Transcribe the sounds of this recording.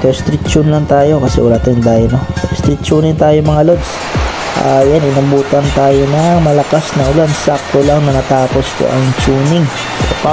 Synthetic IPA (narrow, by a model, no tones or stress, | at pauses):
t̪ost̪ɾit̪̚t͡ʃʊnlɐŋt̪aːjo̞kɐsɛ̰wɐlaːt̪ajʊŋd̪ajnɐst̪ɾɪt̪̚t͡ʃuːnɪnt̪aːjomɐŋalod̪s | ʔa̰janɪnɐmbuːt̪ɐnt̪aːjo̞nɐŋmɐlɐkasnɐŋʔʊlansak̚t̪olɐŋnɐnɐt̪aːpo̞sk̪o̰ʔɐŋt͡ʃuːnɪŋ | opa